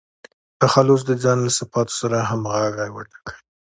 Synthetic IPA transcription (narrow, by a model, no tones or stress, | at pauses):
t̪axalʊs̬d̪əd͡zɑnlasafɑt̪o̥saɾaɦamɣaɡajwəʈḁkəi